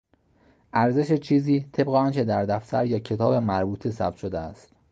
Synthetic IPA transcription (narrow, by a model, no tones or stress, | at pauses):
ʔæɾze̞ʃet͡ʃʰiːziːt̪ʰe̞bɣeɒːnkʰe̞d̪æɾd̪æft̪ʰæ̰ɾjɒːcʰe̞t̪ʰɒːbe̞mæɾbuːt̪ʰesæ̰b̥t̪ʃod̪eæ̰st̪